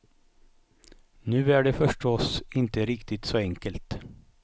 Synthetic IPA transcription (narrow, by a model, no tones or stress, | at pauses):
nʉːæɖefœʂʈɔsɪnt̪əɾɪkt̪ɪt̪soːɛŋkəlt̪